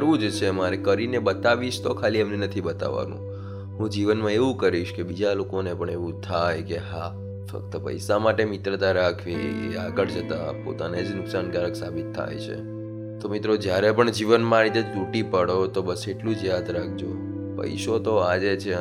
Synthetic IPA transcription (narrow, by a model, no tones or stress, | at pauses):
ɾʋũd͡ʒt͡ʃʰemaɾekəɾinebət̪aʋiʃt̪okʰaliɛmnenət̪ʰibət̪a̰ʋa̰nṵ̃ | ɦũd͡ʒiʋənmãeʋũkəɾiʃkebid͡ʒalokonepəɳeʋũt̪ʰajkeɦa | fə̰k̚t̪əpə̰jsamaʈemɪt̪ɾət̪aɾakʰeḛaɡəɭd͡ʒət̪apo̰t̪aned͡ʒnʊksankaɾəksa̰bit̪ʰːa̰jt͡ʃʰḛ | t̪omit̪ɾod͡ʒjaɾepəɳd͡ʒiʋənmãɾit̪ed͡ʒt̪uʈipəɽot̪obəseʈlũd͡ʒjad̪ɾakʰd͡ʒo | pə̰jʃot̪oad͡ʒet͡ʃʰe